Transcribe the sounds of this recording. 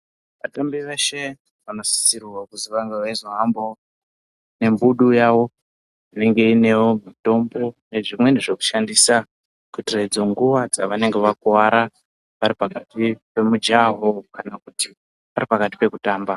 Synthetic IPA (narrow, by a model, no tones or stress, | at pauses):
ʋatambiʋe̞ʃe̞ | ʋano̞si̥sirwakuziʋaŋɡaʋaizoɦambo̞ | ne̞mbuɗujaʋo̞ | ine̞ŋɡe̞ine̞wo̞mito̞mbo̞ne̞ʐimwe̞neʐe̞ku̥ʃandiːsa | kutired͡zoŋɡuʋad͡zaʋane̞ŋɡe̞ʋakuwaɾa | ʋaɾipakatipe̞mud͡ʒaɦokanakuti | ʋaɾipakati̥pe̞kutaːmba